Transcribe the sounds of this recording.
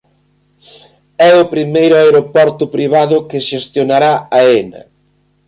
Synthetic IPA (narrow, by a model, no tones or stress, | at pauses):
ɛʊpɾimejɾʊaeɾopɔɾt̪ʊpɾiβ̞aðʊkɪʃest̪jonaɾaaenɐ̰